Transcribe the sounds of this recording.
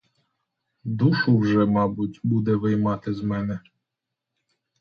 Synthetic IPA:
d̪uʃʊwʒɛmɑbʊtʲbud̪ɛʋɪjmɑt̪ɪzmɛnɛ

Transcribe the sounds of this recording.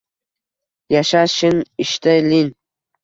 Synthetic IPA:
jaʃaʃɪnɪʃt̪ajlin

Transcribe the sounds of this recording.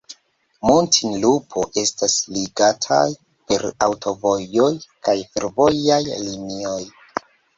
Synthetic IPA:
montʰinlupʰo̞ʔe̞stasliɡatʰa̰j | pe̞ɾa̰wtʰo̞vo̞jo̞jkajfe̞ɾvo̞jajlinio̞j

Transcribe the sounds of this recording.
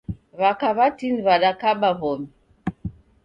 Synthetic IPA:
βakaβatiniβaɗakaɓaβɔmi

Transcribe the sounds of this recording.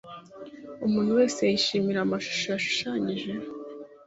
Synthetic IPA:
umuːn̥huwe̞ːsejajiʃiːmiɾamaʃu̥ʃojaʃu̥ʃaːɲiʒe̞

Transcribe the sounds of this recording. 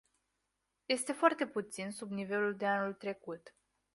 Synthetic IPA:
je̞st̪e̞foart̪e̞put̪sinsubnive̞luld̪e̞anult̪ɾe̞kut̪

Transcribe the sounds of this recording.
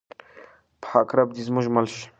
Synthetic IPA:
pʰakɾɐb̚d̪izmuʒmɐlɕ

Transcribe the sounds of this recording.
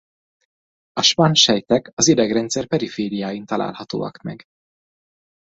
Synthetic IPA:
ɒʃpɒnʃɛjt̪ɛkɒzid̪ɛɡrɛnt̪sɛrpɛɾifeːɾijaːjint̪ɒla̰ːlhɒt̪o̰ːɒ̰kmɛ̰ɡ

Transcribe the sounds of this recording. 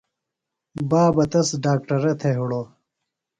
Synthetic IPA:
baːbɐt̪ɐsɖaːk̚ʈɐɾet̪ʰeɦuɽo

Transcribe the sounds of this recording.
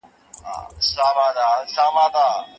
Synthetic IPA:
a̰saːʋaːd̪aːsaːmãːd̪aː

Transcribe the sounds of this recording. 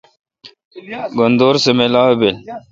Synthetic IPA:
ɡond̪oːɾsemelaːwebel

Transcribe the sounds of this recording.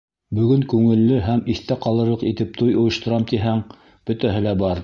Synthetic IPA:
bɵ̆ɡɵŋkʉŋɘ̆lːɘɦæmiθt̪æqɑlˠɤ̆ɾlˠɤqit̪ɘp̚t̪ʰujŏjɤ̆ʃt̪ŏɾɑmt̪iɦæŋ | b̥ɵ̆t̪æɦɘlæbɑɾ

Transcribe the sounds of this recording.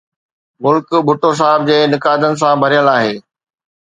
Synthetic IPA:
mʊlkbʱʊʈos̬aːɦɪb̚d͡ʑeːnɪkaːd̪ənɪ̆s̬ãbʱɐɾijəlaːɦeː

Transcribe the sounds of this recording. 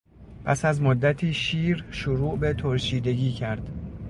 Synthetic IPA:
pʰæ̰sæzmod̪ːæt̪ʰiːʃiːɾʃoɾuːʔbe̞t̪ʰoɾʃiːd̪e̞ɟiːcʰæɾd̪̥

